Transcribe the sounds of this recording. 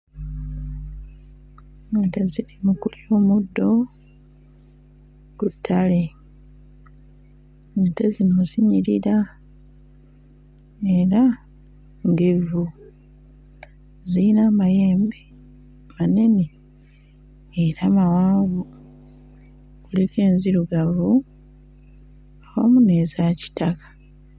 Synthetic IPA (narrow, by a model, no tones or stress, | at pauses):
ŋateziɾimukulio̞ːmudːo̞ | kutʰːale̞ | ŋatezimuziɲiɾiɾa | eɾa | ŋɡevu | ziinamaje̞ːmbe | mane̞ne | ɾamawaːŋɡu | kulike̞ːnziɾuɡavu | ao̰mune̞ːzaci̥takḁ